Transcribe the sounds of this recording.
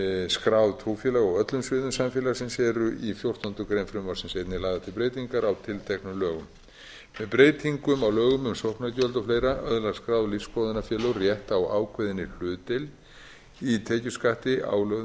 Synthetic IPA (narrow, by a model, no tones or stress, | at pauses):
skɾawðt̪ʰɾuːfjɛlaɣɔɣœt̪lʏmsvɪːðʏmsamfjɛːlaɾsɛmsɛːɾʏʔifjowr̥t̪ɔnt̪ʏkɾejnfɾɪmasɛmsejt̪nɪlaːjðat̪ɪlpɾejt̪iŋkaɾawt̪ʰɪlt̪ʰɛknʏlœːɣʏm | mɛðpɾeːjt̪ʰiŋkʏmawlœːɣʏmʏmsohpnacœlt̪ɔflejɾaʔœðlaɣskɾaːwðliskoːwðɪnafjɛːlœwrjɛht̪awaːwkʰvɛðɪnːɪl̥ʏːt̪ɪl | it̪ʰeːcʏskaht̪ɪa̰wlœɣ